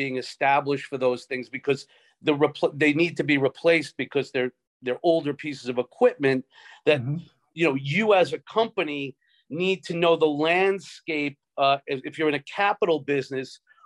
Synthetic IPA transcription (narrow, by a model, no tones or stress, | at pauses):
iɪ̃ŋɨstæbləʃtfə˞ðoʊz̥θɪ̃ŋzbɨkʰʌz | ðɨɹɨpʰðeɪnid̚tʰɨbiɹipʰl̥eɪsb̥ɨkʰʌzðə˞ | ðə˞ʔoʊlˠdə˞pʰisɨzʌvəkʰw̥ɪp̚mɨ̃n | ðɨt̚ | jɨnoʊjɨəzɨkʰʌ̃mpɨni | nid̚tʰɨnoʊðəlæ̃nd̥skeɪp̚ɪɨfjə˞ɨ̃ɾ̃ɨkʰæpəɾl̩ˠbɪznɨs